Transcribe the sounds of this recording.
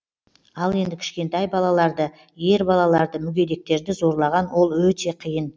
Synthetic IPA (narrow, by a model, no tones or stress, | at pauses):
ɑlˠe̞nd̪ɪkʲʰɪ̥ʃkʲe̞nt̪ɑjbɑlˠɑlˠɑɾd̪ə | je̞ɾbɑlˠɑlˠɑɾd̪əmʏɡʲe̞d̪e̞k̚t̪e̞ɾd̪ɪzo̞ɾlˠɑʁɑnwo̞lˠwɵt̪e̞qʰijən